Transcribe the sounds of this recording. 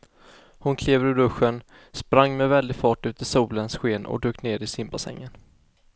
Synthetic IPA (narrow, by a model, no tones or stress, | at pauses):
hʊnkʰleːvɾɵɖ̪ɵɧːən | spɾaŋːmɛvɛld̪ɪfɑːʈʉ̟ːt̪ɪsuːlənsɧeːnɔ̰d̪øːkneːɾɪsɪmbasɛ̰ŋːən